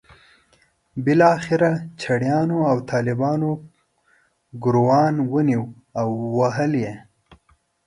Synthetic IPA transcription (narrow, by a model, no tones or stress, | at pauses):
bɪlɑxɪɾat͡ʃʰaɽjɑnoawt̪ʰɑlɪbɑno | ɡʊɾowɑnwəniw | awːaɦəlje